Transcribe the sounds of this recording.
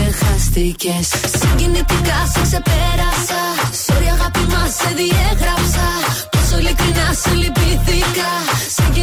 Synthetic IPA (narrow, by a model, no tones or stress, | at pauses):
exɐst̪ice̞sːiɲɟinit̪ikɐsekse̞peɾɐsɐso̞ɾiɐɣɐpimɐsːe̞ðieɣɾɐpsɐt̪osolikɾinɐsilipliθikɐsiɟ